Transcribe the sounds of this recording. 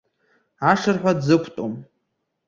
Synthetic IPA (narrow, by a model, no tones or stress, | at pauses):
aʂɨrħʷadzɨkʷʰtʼom